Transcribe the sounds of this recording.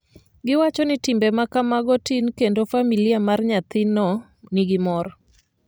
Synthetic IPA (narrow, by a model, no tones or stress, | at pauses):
ɡɪwat͡ʃɔnɪtɪmbɛmakamaɡɔtinkendofamiliamarɲat̪ɪnɔ | nɪɡɪmɔɾ